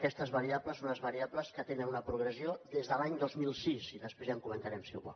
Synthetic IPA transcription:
kɛst̪əzβəɾiabləsonəzβəɾiabləskət̪enənunəpɾuɣ̞ɾəziod̪ezðəlaɲd̪ozmilˠsiziðəspɾezəŋkumənt̪aɾɛmsḭβɔ̰

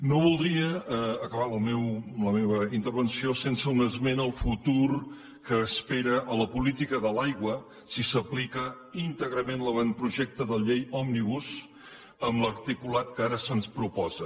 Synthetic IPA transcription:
noβulˠd̪ɾiəːkəβalmewləmeβəint̪əɾβ̞ənsiosensəunəzmenəlˠfut̪uɾ | kəːspeɾəʔələpulit̪ikəðəlajɣwə | sisəplikə | int̪əɣɾəmẽnləβanpɾuʒɛk̚t̪əðəʎejɔmniβus | əmləɾt̪ikulat̪kəaɾəsənspɾupɔzə

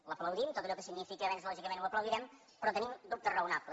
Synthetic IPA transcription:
ləpləwðimt̪ot̪əʎɔkəsiɡnifikəβɛnzlɔʒikəmẽnuwəpləwðiɾɛm | pɾɔt̪ənimd̪up̚t̪ərəunaplə

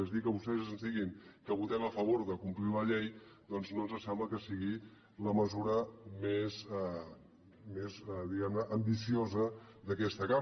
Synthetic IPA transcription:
ɛzðikəβust̪ɛzəzənzd̪iɣiŋkəβut̪ɛməfəβ̞oɾðəkumpliləʎejd̪̥ɔnznonzəsɛmləkəsiɣi | ləməzuɾəmezɛ | mezɛðiɣɛmnəʔəmbisiozəd̪əkɛst̪əka

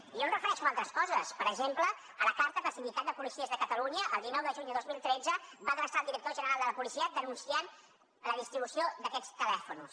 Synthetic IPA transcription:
iʒɔnrəfəɾɛʃualˠt̪ɾəskɔzəspəɾəɡʒemplə | ələkaɾt̪əpəsinmd̪it̪at̪̚d̪əpulisiəzðəkət̪əluɲəʔəlˠd̪inɔwðəʒuɲd̪əðozmilˠt̪ɾed͡zəbaəɣɾəsalˠd̪iɾək̚t̪oʒənəɾalˠd̪ələpulisiəd̪ənunsian | ləðist̪ɾiβusiod̪əkɛt͡st̪əlɛfunus

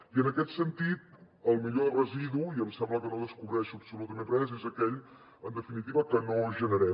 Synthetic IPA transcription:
iənəkɛt̪sənt̪it̪̚ | əlˠmiʎorəziðuiəmsɛmbləkənoðəskuβɾɛʃuəpsulut̪əmẽnrɛzezəkɛʎ | ənd̪əfinit̪iβəkənoʒənəɾɛ

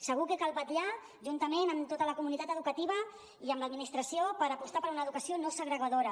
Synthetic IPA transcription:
səɣ̞ukekalˠβat̪ʎa | ʒunt̪əmenəmt̪ot̪ələkumunit̪at̪əðukət̪iβ̞ə | iəmləd̪minist̪ɾəsiopəɾəpust̪apəɾunaəːðukəsionosəɣɾəɣaðoɾə

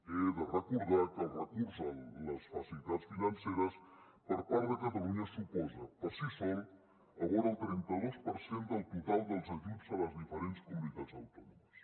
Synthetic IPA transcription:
eðərəkuɾðakərət̪izənləsfɐsilit̪asfinɐnseɾəs | pəɾpaɾðəkət̪əɣuɲəsipɔzəkəsifew | əɣɔɾəlˠt̪ɾɛnt̪əðospəɾsend̪əlˠt̪ut̪alˠd̪əlˠzəkipzələzðifəɾenskumunit̪ad͡zzɐwt̪ɔnuməs

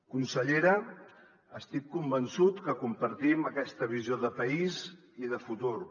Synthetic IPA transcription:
kunsəʎeɾə | əst̪ikːumbənsut̪kəkumpəɾt̪iməkɛst̪əβizioðəpəiz | iðəfut̪uɾ

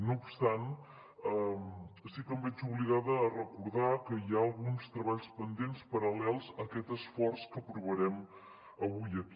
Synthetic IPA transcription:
nuːpst̪an | əsikəmbɛd͡ʒuβliɣaðəːrəkuɾðakəjaəlˠɣunst̪ɾəβaʎspənd̪enspəɾəlɛlˠzəkɛt̪əsfɔɾskəpɾuβəɾɛm | əβujəki

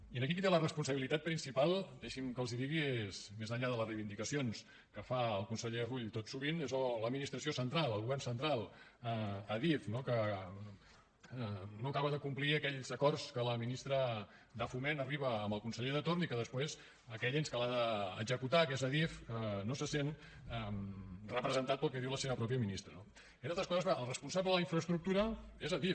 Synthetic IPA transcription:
iənəkikit̪elərəspunsəβilit̪at̪̚pɾinsipalˠd̪ɛʃimkəlˠziðiɣiezmezəɲʎaðələrejβind̪ikəsions | kəfaəlˠkunsəʎeruʎt̪ot̪suɣ̞inezləd̪minist̪ɾəsiosənt̪ɾalˠəlˠɣuβɛrnsənt̪ɾalˠ | əəðifnokə | nokaβəðəkumpliəkɛʎzəkɔrskələminist̪ɾə | d̪əfumenəriβəːmbəlˠkunsəʎeðət̪ornikəðəspwez | əkɛʎenskəlaðə̰ːɡzəkut̪akezəðifənosəsen | əmrəpɾəzənt̪at̪̚pəlˠkɛðiwləseβəpɾɔpjəminist̪ɾəno | inalt̪ɾəskɔzəzβaʔəlˠrəspunsabləðələiɱfɾəst̪ɾuk̚t̪uɾəezəðif

